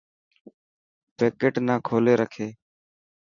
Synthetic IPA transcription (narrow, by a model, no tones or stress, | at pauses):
peːkeːʈnaːkʰoːleːɾəkʰeː